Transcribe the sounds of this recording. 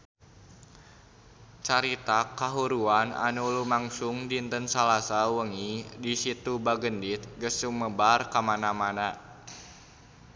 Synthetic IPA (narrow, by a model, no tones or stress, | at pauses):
t͡ʃaɾit̪akaɦuɾuana̰nulumaŋsʊŋdint̪ənsalasawəŋidisit̪ubaɡəndit̪̚ɡəsuməbarkamanamana